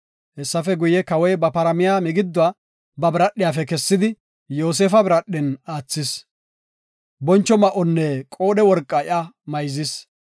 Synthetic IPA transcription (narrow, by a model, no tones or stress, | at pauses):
hɛsːɐfɛɡʊjɛkɐwɔjbɐpɐɾɐmɪjaːmɪɡɪd̪ːʊwa | bɐbɪɾɐɗːɪjaːfɛkɛsːɪd̪ɪ | jo̞ːs̬eːfɐbɪɾɐɗːɛnaːt͡sːɪs | bɔnt͡ʃːɔmɐʔɔnːɛkʼo̞ːɗɛwɔɾkʼːɐɪʔɐmɐjzɪs